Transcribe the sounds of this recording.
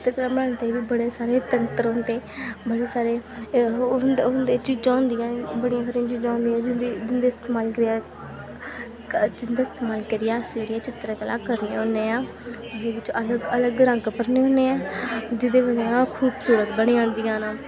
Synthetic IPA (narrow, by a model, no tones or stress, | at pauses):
t͡ʃɪt̪ːkəlaːbənant̪eʋiːbəɽeːsaːɾeːt̪ənt̪əɾʊ̃nd̪eːbəɽeːsaːɾeː | nd̪et͡ʃiːd͡ʒãːʊnd̪ijãːbəɽɪjãːsəɾɪjãːt͡ʃiːd͡ʒãːnd̪iãːd͡ʒd͡ʒɪnd̪eːɪst̪eːmaːlkəɾɪjaː | t͡ʃɪnd̪eːɪst̪eːmaːlkəɾɪjaːseːɽijaːt͡ʃɪt̪ɾakəla̰ːkəɾneːɦõːnd̪eːãː | neːʋɪt͡ʃələɡələɡɾə̃ŋɡpəɾneːɦõːneːãːd͡ʒɪd̪eːʋəd͡ʒaːnãːkʰuːbsuːɾət̪bəɽ̃eːãːnd̪ijãːnãː